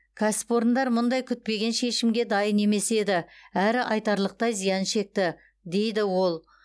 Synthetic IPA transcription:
kʲʰæsɪ̥po̞ɾənd̪ɑɾmʊnd̪ɑjkʲʰʏt̪̚pe̞ɡʲe̞nʃe̞ʃɪmɡʲe̞d̪ɑjənːe̞me̞se̞d̪ɪæɾɪʔɑjt̪ɑɾlˠəq̚t̪ɑjzijɑnʃe̞k̚t̪ɪ | d̪e̞jd̪ɪwo̞lˠ

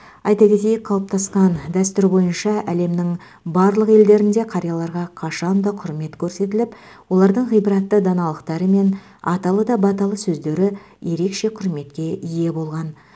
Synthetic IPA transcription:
ɑjt̪ɑɡʲe̞t̪e̞jk̚qʰɑlˠəp̚t̪ɑsqɑnd̪æs̬t̪ʏɾbo̞jənʃɑʔæle̞mnɪŋ | bɑɾlˠəqe̞ld̪e̞ɾɪnd̪e̞qʰɑɾjɑlˠɑɾʁɑqʰɑʃɑnd̪ɑqʰʊɾme̞t̪kʲʰɵɾse̞t̪ɪlɪp | wo̞lˠɑɾd̪əɴʁijbəɾɑt̪ːəd̪ɑnɑlˠəqt̪ɑɾəme̞n | ɑ̰t̪ɑlˠəd̪ɑbɑt̪ɑlˠəsɵzd̪e̞ɾɪ | je̞ɾe̞kʃe̞qʰʊɾme̞t̪kʲe̞ʔije̞bo̞lˠʁɑn

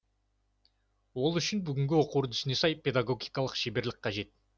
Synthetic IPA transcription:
wo̞lˠʏʃɪnbʏɡʲɪŋɡʲɪwo̞quɾd̪ʰʏ̥sɪne̞sɑjpʲe̞d̪aɡo̞ɡʲijkɑlˠəqʃebe̞ɾlɪk̚qɑʒe̞t̪̚

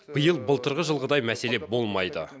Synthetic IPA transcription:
b̥əjəlˠbəlˠt̪əɾʁəʒəlˠʁəd̪ɑjmæse̞le̞bo̞lˠmɑjd̪ə

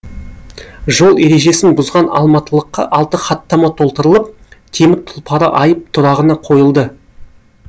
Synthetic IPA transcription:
ʒo̞lˠe̞ɾe̞ʒe̞sɪnbʊzʁɑnɑ̰lˠmɑt̪əlˠəqːɑ̰ʔɑlˠt̪əχɑt̪ːɑmɑt̪ʰo̞lˠt̪əɾəlˠəp̚ | t̪ʰe̞mɪt̪ʰʊ̥lˠpʰɑɾə̰ʔɑjəp̚t̪ʰʊɾɑʁənɑqʰo̞jəlˠd̪ə

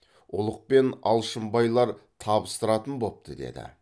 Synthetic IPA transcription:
ʊlˠəq̚pe̞nɑ̰lˠʃəmbɑjlˠɑɾt̪ʰɑbəst̪əɾɑt̪ənbo̞p̚t̪əd̪e̞̰d̪ɪ̰

